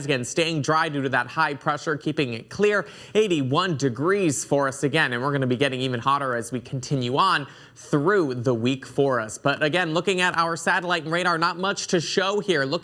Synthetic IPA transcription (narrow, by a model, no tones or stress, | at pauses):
ɨɡɛ̃nsteɪɪ̃ŋdɹaɪdʉɾɨðət̚haɪpʰɹ̥ɛʃə˞kʰipɪ̃ŋɪt̚kʰl̥ɪɹ | eɪɾiwʌ̃ndɨɡɹiz̥fə˞ʌsɨɡɛ̃nɨ̃nwɪɹɡʌnɨbiɡɛɾɪ̃ŋivɨ̃nhɑɾə˞ɨzwikʰn̩tʰɪ̃njʉə̃n | θɹuðəwikfə˞ʌsb̥ʌɾɨɡɛ̃nlʊkɪ̃ŋɨɾʔaʊə˞sæɾəlaɪtn̩ɹeɪɾə˞nət̚mʌt͡ʃtʰɨʃoʊhiɹlʊ